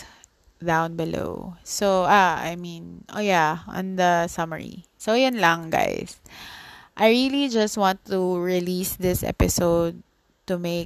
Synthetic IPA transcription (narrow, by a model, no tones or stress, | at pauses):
d̪ãʊ̃nbɪlo̰ʊsoʔaa̰jmĩnʔo̰jaʔɔ̰̃nd̪ɐsʌmə̰ɹḭ | sojʊnlaŋɡa̰js | ʔajɹilid͡ʒɐst̪̚wãnt̪uɹɪlisd̪ɪsʔɛ̰pɪsoʊd̪̚ | t̪ʊmeɪ